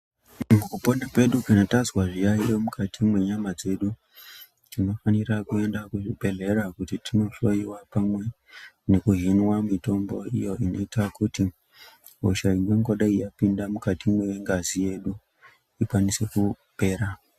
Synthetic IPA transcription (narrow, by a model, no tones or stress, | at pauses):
mukuponakwe̞ɗukanotazwaʐijaiomukʰatʰimwe̞ɲamad͡ze̞ɗu | tino̞fanirakue̞ndakuʐibʱe̞ɮe̞ɾakutitino̞ʃo̞iwapamwe̞ | ne̞kuɦinwamito̞mbo̞ḭjo̞ino̞itakuti | ɦoʃainwe̞ŋɡoɗaijapindamukatimwejeŋɡazije̞ɗu | ikwanise̞ku | pe̞ːɾa